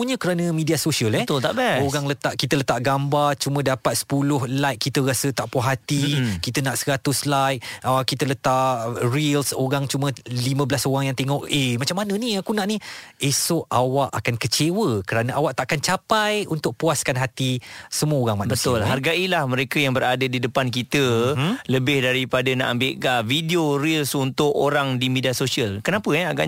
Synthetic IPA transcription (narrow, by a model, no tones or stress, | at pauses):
uɲə̃kəɾanə̃midiasoʃiəlɛt̪ʊlt̪a̰ʔbɛoɾaŋlət̪aʔkit̪ələt̪aʔɡambart͡ʃumə̃dapat̪̚sə̥pulʊhlajt̪̚kit̪əɾasət̪aʔpuaɦat̪ikit̪ənaʔsəɾat̪ʊslajʔ̚əkit̪ələt̪aʔrilsoɾaŋt͡ʃumə̃limə̃bəlasoɾaŋjaŋt̪eŋɔʔemat͡ʃamːanə̃niakunaʔniesɔʔʔawaʔakankət͡ʃewəkəɾanəʔawaʔt̪aʔakant͡ʃapajunt̪ʊk̚puaskanɦat̪isəmuəoɾaŋmaʔbbət̪ʊlɦarɡaʔilahmə̃ɾekəjaŋbəɾadədidəpankit̪ələbɪhdaɾipadəna̰ʔambɪʔkavidioɾilsunt̪ʊkoɾaŋdimidiasosiəlkənapəaɡa̰ʔ